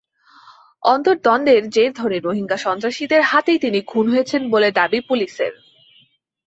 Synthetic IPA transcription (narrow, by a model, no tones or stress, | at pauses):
ɔnt̪oɾd̪ɔnd̪eɾd͡ʑeɾd̪ʱɔɾniɾoɦiŋɡaʃɔnt̪ɾaʃid̪eɾhat̪ejt̪iniɡʱunɦojet͡ɕʰenboled̪abipuliʃḛɾ